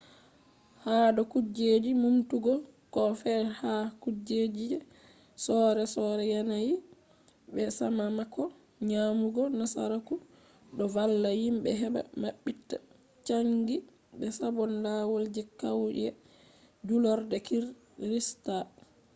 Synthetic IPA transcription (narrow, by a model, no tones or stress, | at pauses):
haɗɔkud͡ʒed͡ʒimumtuɡɔ | kɔfɛhakud͡ʒed͡ʒid͡ʒɛ | sɔɾɛsɔɾɛjanaji | bɛsamamakɔ | ɲamuɡɔnasa̰ɾaku | ɗɔvalːahimɓɛɦɛɓa̰maɓːitːa̰ | t͡ʃaŋɡi | ɓɛsabɔndawold͡ʒɛkawd͡ʒɛ | d͡ʒulɔɾdɛkiɾ | ɾista